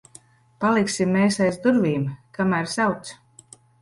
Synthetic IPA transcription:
palˠiksimːeːsajzd̪uɾviːmkamæːɾsawt̪s

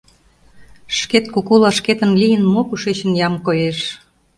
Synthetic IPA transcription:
ʃket̪kukulɑʃket̪ə̆nlijənmokuʃet͡ɕə̆njɑmkojeʃ

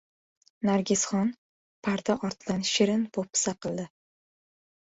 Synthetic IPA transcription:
naɾɡʲɪsχɒn | pʰaɾt̪aʔɒɾt̪ʰɪd̪anʃɪɾɪnpopʰːɪ̥saqʰɨlˠd̪ɪ

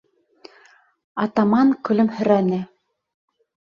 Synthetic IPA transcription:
ɑt̪ɑmɑŋkɵ̆lɵmhɵ̆ɾænɘ

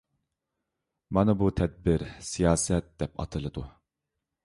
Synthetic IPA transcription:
mɑnɨbut̪ʰɛd̪̚bɪɾsijɑːsɛt̪̚d̪ɛpɑ̰t̪ʰɨlˠɨd̪u

